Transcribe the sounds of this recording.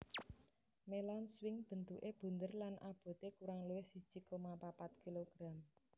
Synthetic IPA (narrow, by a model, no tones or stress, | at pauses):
melanswɪŋb̥ə̤nt̪uʔeb̥ṳnd̪ərlanʔab̥o̤t̪ekuɾaŋluwɪhsid̥ʒ̥i̤komapapat̪̚kiloɡ̥ɾa̤m